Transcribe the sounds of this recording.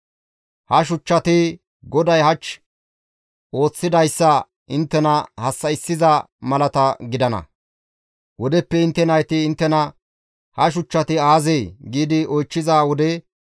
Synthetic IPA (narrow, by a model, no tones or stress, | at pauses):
hɐʃ̬ʊt͡ʃːɐt̪ɪ | ɡɔd̪ɐjɦɐt͡ʃː | ʔo̞ːt͡sːɪd̪ɐjsːɐ | ɪnt̪ːɛnɐhɐsːɐɪsːɪzɐ | mɐlɐt̪ɐɡɪd̪ɐnɐ̰ | wɔd̪ɛpːɛɪnt̪ːɛnɐjt̪ɪːnt̪ːɛnɐ | hɐʃ̬ʊt͡ʃːɐt̪ɪaːzejɡiːd̪ɪɔjt͡ʃːɪzaːwɔd̪ɛ